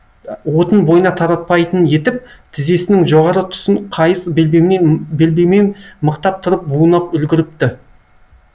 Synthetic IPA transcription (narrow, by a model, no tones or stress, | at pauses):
wo̞t̪ənbo̞jənɑt̪ʰɑɾɑt̪̚pɑjt̪ənje̞t̪ɪp̚t̪ʰɪze̞sɪnɪŋʒo̞ʁɑɾət̪ʰʊ̥səɴqʰɑjəsbmebelbe̞menməqt̪ɑp̚t̪ʰʊɾəp̚buənɑpʏlɡʲɪɾɪp̚t̪ɪ